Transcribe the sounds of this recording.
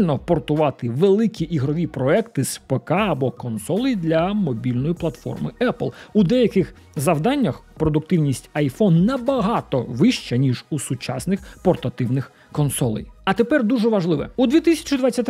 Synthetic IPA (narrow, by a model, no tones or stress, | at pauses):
lʲnɔpɔrt̪ʊʋɑt̪ɪʋelˠɪkʲiʔiɦɾɔʋʲipɾɔɛkt̪ɪspekɑɐbɔkɔnsɔlˠɪjd̪lʲɐmɔbʲilʲnɔjiplˠɐt̪fɔ̰rmɪɛplˠud̪ɛjɐkɪx | zɐwd̪ɑnʲːɐxpɾɔd̪ʊk̚t̪ɪwnʲisʲtʲɐjfɔnːɐbɐɦɑt̪ɔ̰ʋɪʃt͡ʃɛnʲiʒusʊt͡ʃɑsnɪxpɔrt̪ɐt̪ɪwnɪx | kɔnsɔlˠɪ̰jɐt̪epɛrd̪uʒɛʋɐʒlˠɪʋɛ̰ud̪ʲʋʲit̪ɪsʲɐ̥t͡ʃiɪd̪ʋɑt͡sʲːɐt̪ʲ